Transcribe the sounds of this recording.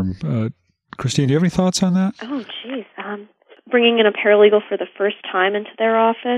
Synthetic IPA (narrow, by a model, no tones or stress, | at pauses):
mʌ | kʰɹ̥ɨstĩnjʉævɛniθɔtsn̩ðæt̚ʔoʊ̥d͡ʒizʌ̃m | b̥ɹɪ̃ŋɪ̃ŋɨ̃ɾ̃ɨpʰɛɹəliɡl̩ˠfə˞ðɨfɜ˞stʰãɪ̃mɪ̃ntʰʉðə˞ɔfɨ